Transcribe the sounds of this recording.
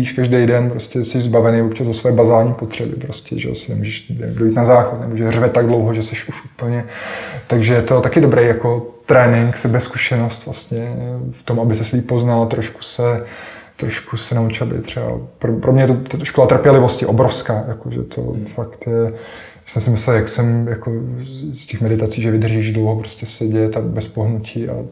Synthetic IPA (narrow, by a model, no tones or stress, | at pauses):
iːʃkaʒdejdɛnpɾoscɛsɛʒzbavɛnejvop̚t͡ʃazvosvojɛːbazaːlɲiːpot̪r̝̥ɛbɪ̰pɾoscɛ̰ʒɛ̰sɪnɛmuːʒɛʃɛ̰dojit̪nazaːxot̪nɛbo̞ʒɛr̝vɛt̪aɡdlo̞wɦoʒɛsɛʃʔuʃʔuːpl̩ɲɛt̪aɡʒɛjɛt̪o̞t̪akɪdobɾɛjjako̞t̪ɾɛːnɪŋksɛbɛskuʃɛno̞st̪vlast̪ɲɛft̪omabɪsɛsliːp̚po̞znalat̪ɾoʃku̥sɛ | t̪ɾoʃkusɛnaut͡ʃɪlabɪ̰t̪r̝̥ɛba̰pɾopɾomɲɛjɛt̪ot̪ʃkolat̪r̩pjɛlɪvo̞scɪʔobɾofskaːjakoʒɛ̰t̪ʰo̰fakt̪jɛ | asɛmsɪmɪsɛljaksɛmjakoscɛxmɛdɪt̪at͡siːʒɛvɪd̪r̩ʒiːʒdlowɦopɾoscɛsɛɟɛt̪abɛspoɦnucʰiːʔa̰